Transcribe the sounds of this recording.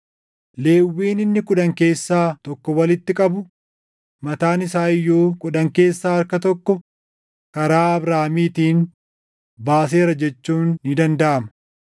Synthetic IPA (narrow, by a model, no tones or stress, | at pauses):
le̞ːwːiːnɪnːɪkʊᶑɐŋke̞ːsːaːt̪ɔkːɔwɐlɪt̪ːɪkʼɐbʊ | mɐt̪aːnɪsaːɪjːoːkʼʊᶑɐŋke̞ːsːaːɐɾkɐt̪ɔkːɔ | kɐɾaːɐbɾaːmiːt̪iːn | baːs̬e̞ːɾɐd͡ʒɛt͡ʃːuːnːɪd̪ɐnd̪ɐʔɐmɐ̥